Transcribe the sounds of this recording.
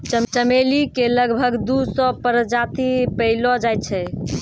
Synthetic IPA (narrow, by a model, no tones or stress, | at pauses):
t͡ʃəmt͡ʃəmelikeləɡbʱəɡd̪usɔpəɾd͡ʒat̪ipəɪlɔd͡ʒajt̪̚t͡ʃʰɛ